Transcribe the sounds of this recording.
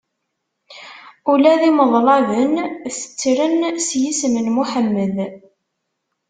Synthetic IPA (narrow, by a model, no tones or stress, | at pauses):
ulæðiməðˤlˤɑðənθə̥t͡sːɾənsjismənmuħəmːəð